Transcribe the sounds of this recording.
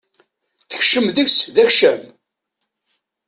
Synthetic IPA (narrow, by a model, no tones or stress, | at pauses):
θəçʃəmðəçsðæçʃæm